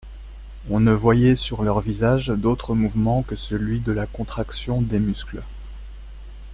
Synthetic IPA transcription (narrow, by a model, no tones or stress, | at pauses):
ɔ̃nəvwajɛsyʁlœʁvizaʒd̪ot̪χəmuvmɑ̃kəsəlɥid̪əlakɔ̃t̪χaksjɔ̃d̪emysklə